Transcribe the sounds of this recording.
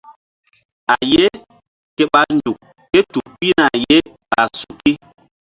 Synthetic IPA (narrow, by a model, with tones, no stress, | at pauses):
a˨je˦ | ke˦ɓa˦n˨d͡ʒu˨k̚ː | e˦tu˨pi˦na˨je˦ | ɓa˨su˨ki˦